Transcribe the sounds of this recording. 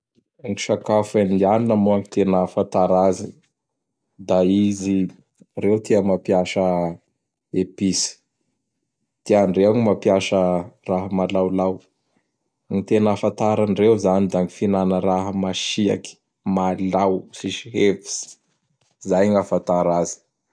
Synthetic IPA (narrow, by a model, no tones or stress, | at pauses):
ŋiʃakafanianinəmoaŋit̪enəfant̪aɾazi | d̪aizi | rewt̪ʰiəmapiaʃə | episi̥ | t̪ianreaŋimapiaʃəraɦəmalawlaw | ŋit̪enafant̪aɾanrewzanid̪aŋifinanəɾaɦəmaʃia̰ki̥ | malawsiʃiɦevi̥s | zajŋafant̪aɾazi̥